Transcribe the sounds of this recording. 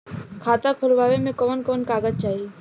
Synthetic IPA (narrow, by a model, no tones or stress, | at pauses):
kʰaːt̪akʰolbabemẽkɔːnkonkaːɡəd͡ʒt͡ʃaːi